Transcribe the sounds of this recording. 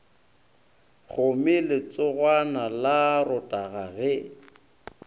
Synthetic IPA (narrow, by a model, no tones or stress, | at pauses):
χʊmɪlɪt͡sʼʊɣwanalarʊtʼaɣaɣɛ